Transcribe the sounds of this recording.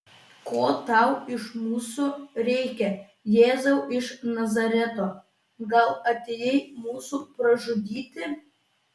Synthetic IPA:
koːt̪ɑˑʊɪʃmuːsuɾʲɛɪkʲɛ | jeːzɐʊʔɪʃnɐzɐɾʲɛt̪oː | ɡɐlˠɐt̪ʲeːjɛɪmuːsuːpɾɐʒʊd̪ʲiːt̪ʲɪ

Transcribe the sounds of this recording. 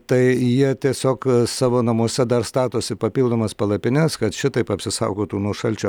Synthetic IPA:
t̪ɐɪjiɛt̪ʲiɛsʲoːksɑːʋoːnɐmuɔsʲɛd̪ɐrst̪ɑːt̪oːsʲɪpɐpʲiːlˠd̪oːmɐspɐlˠɐpʲɪnʲɛskɐt̪ʃʲɪt̪ɐɪpɐpʲsʲɪsɐ̰ʊɡoːt̪uːnuɔʃɐlʲt͡ʃʲʊ

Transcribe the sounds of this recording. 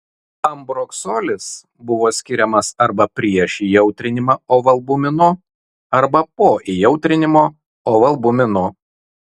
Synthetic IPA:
ɐmbɾoksoːlʲɪs | bʊʋoːsʲkʲɪɾʲɛmɐsɐɾbɐpʲɾʲiɛʃijɛʊt̪ʲɾʲɪnʲɪmɐoːʋɐlˠbʊmʲɪnʊ | ɐɾbɐpoːʔijɛʊt̪ʲɾʲɪnʲɪmoː | oːʋɐlˠbʊmʲɪnʊ

